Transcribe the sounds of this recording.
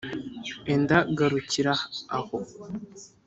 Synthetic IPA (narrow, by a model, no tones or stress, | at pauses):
endaɡaɾuciɾaːho